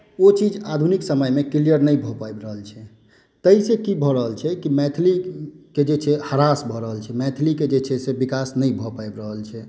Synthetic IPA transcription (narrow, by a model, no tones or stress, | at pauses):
ot͡ʃid͡ʒad̪ʱuniksəməjmekilijəɾnəjbʱɔpajbɾəɦəlt͡ʃʰɛ | t̪əisekibʱɔɾəɦəlt͡ʃʰɛkimɛt̪ʰliked͡ʒet͡ʃʰɛhəɾasbʱɔɾəɦəlt͡ʃʰɛmɛt̪ʰliked͡ʒet͡ʃʰɛsebikasnəjbʱɔpajbɾəɦəlt͡ʃʰɛ